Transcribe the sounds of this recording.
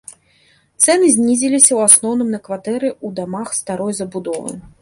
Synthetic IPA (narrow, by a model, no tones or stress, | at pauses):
t̪sɛnɨzʲnʲizʲilʲisʲɐwasnɔwnɨmnɐkvat̪ɛɾɨud̪amaxst̪aɾɔjzɐbud̪ɔvɨ̰